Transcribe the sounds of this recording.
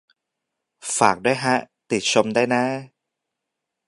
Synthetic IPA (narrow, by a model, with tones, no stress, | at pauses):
faː˨˩k̚doː˧˥˩jɦa˦˥ | t̪i˨˩t̪̚so˧mda˧˥˩jna˧˥